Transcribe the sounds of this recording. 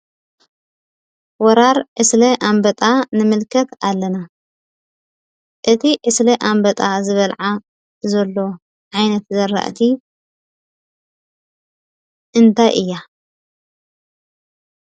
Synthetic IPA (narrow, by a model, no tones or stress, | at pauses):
wɔɾaɾʔɨslɐʔambɐt̪ʼanɨmɨlkʰɐt̪alːɐna | ʔɨt̪ʰiʔɨslɐʔambɐt̪ʼazɨβɐlʕa | zɐlːo̞ | ʕajnɐt̪zɐɾːa̰ʔt̪ʰi | ʔɨnt̪ʰajʔɨjːa